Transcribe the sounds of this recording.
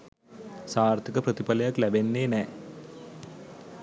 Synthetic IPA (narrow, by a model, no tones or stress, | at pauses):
saːrt̪ʰikəprət̪ipɐlɐjaklæbenːeːnɛː